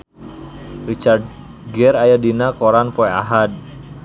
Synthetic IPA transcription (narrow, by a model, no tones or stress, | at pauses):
rit͡ʃard̚ | ɡɛɾajadinakoɾanpɔea̰ɦad̚